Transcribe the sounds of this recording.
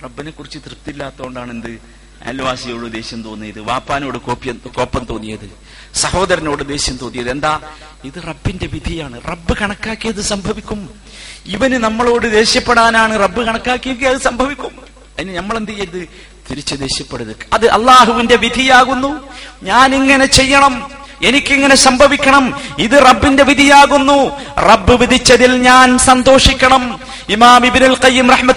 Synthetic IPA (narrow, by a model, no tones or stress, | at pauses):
rɐbːinekːurit͡ɕːɨt̪rɨpt̪ilːaːt̪ːɐːɳɖaːɳend̪ɨ | a̰ːlʋaːsɐjo̞ːɽɨd̪e̞ːɕjɐmt̪o̞ːnːijɐðɨʋaːpːaːno̞ːɽɨko̞ːpːjɐko̞ːpːɐmt̪o̞ːnːijɐ̰ðɨ | sɐho̞ːd̪ɐɾɐno̞ːɽɨd̪e̞ːɕjɐmt̪onːijɐðɨe̞nd̪aː | iðɨrɐbːinde̞ʋid̪ʱijaːɳɨrɐbːɨkɐɳɐkːaːkːijɐðɨsɐmbʱɐʋikʲːum | iʋɐnɨnɐmːɐɭo̞ːɽɨd̪e̞ːɕjɐpːeɽaːnaːɳɨrɐbːɨkɐɳɐkːaːkːijɐkːejɐðɨsɐmbʱɐʋikʲːum | ɐðinɨnɐmːɐɭend̪ɐjɐðɨ | t̪iɾit͡ɕːɨd̪e̞ːɕjɐpːeɽuðɨkɐðɨʔɐ̰lˠːaːɦuʋinde̞ʋid̪ʱijaːɣunːuɲaːniŋːɐne̞t͡ɕe̞jːɐɳɐme̞nikʲːiŋːɐne̞sɐmbʱɐʋikʲːɐɳɐmiðɨrɐbːinde̞ʋid̪ʱijaːɣunːurɐbːɨʋid̪it͡ɕːɐðilɲaːnsɐnd̪o̞ːʂikʲːɐɳɐm | imaːmibnulqɐjːumrɐħmɐ